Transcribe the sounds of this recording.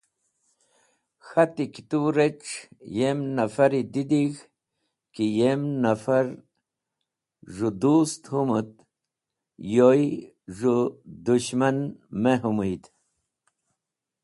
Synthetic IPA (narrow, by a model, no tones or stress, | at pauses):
xat̪iki̥t̪uɾeʈ͡ʂjemnafaɾid̪id̪ix | kijemnafaɾ | ʐud̪ust̪humut̪ | joj | ʐud̪uɕmanmeɦumujt̪